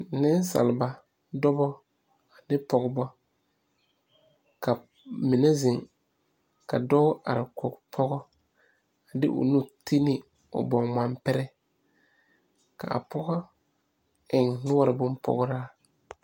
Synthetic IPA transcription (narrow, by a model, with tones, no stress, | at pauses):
nɪ˦n˦sa̰˨lɪ˨ba˨ | dɔ˦bɔ˦ | a˨nɪ˦pɔ˨ɡbɔ˦ | ka˨ | mɪ˨nɛ˦zɪ˨ŋ | ka˨dɔ˦ʔa̰˨ɾɪ˨kʰɔ˨kpʰɔ˦ɣɔ˦ | a˨dɪ˦ʔʊ̰˨nu˦tʰe˦nɪ˦ | ʊ̰˨bɔ˨ŋma˨mpɛ˦ɾɛ˦ | ka̰˨a̰˨pɔ˦ɣɔ˦ | ɪ˨ŋnʊ˦wa˦ɾɪ˨bʊ˦mpʰɔ̰˦ɣʊ˦ɾaː˦